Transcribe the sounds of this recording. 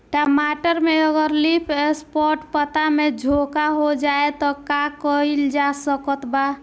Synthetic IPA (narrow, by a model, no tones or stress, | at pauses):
ʈəmaʈəɾmeəɡəɾlipʰespɔɾʈpət̪amed͡ʒʱokaɦod͡ʒaet̪ɔkakəild͡ʒasəkət̪ba